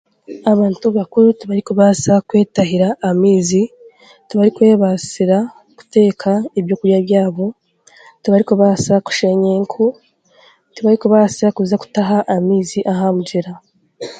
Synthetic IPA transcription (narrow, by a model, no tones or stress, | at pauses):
aβaːntuβakuɾutiβaɾikuβasakwe̞ːtaɦiɾaʔːmiːzi | tuβaɾikwe̞ːβasiɾa | ku̥te̞ːkʰaeβjo̞kuɾjaβjaːβo̞ | tuβaɾikuβaːsaku̥ʃeɲeŋkʰu | tiβaɾikuβaːsiɾakuzaku̥taɦaʔːmiːziʔaɦamud͡ʒeɾa